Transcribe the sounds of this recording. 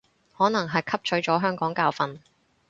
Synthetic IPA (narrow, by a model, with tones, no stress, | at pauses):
hɔː˨˥nɐ˨˩ŋɦɐ˨jkʰɐ˥p̚t͡ʃʰɵ˨˥t͡ʃɔː˨˥ɦœː˥ŋkɔː˨˥ŋkaː˧wfɐ˨n